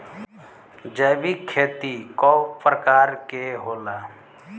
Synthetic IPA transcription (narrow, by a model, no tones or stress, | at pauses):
d͡ʒəjʋikʰːeːt̪ikɔːpɾəkaːɾkeɦoːlaː